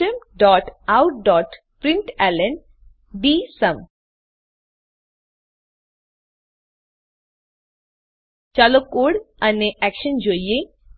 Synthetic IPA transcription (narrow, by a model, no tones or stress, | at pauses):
əmɖɔʈawɖɔʈ | pɾiɳʈɛlən | ɖisəm | t͡ɕalokoɽɐneʔɛkʃənd͡ʑojje